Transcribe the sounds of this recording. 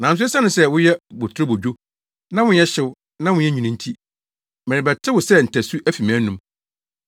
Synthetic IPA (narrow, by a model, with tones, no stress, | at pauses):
nã˨n˦s̬ʊ˦ɛ˦sa˦nʊ̃˨sɛ˦wʊ˦jɛ˦bo˨tʰɾo˦bo˨d͡ʑᶣo˦ | nã˦wʊ̃˦ɛ˦ɕɪ˦w | nã˦wʊ̃˦jɛ˦ɲᶣĩ˨nĩ˨n̩˦tʰi˦ | mɛ̃˨ɾɪ̃˨bɛ˨tʰɪ˦wʊ˨sɛ˦˨n̩˨tʰæ˨su˦ʔæ˦fi˨mæ̃ː˦nũ˦m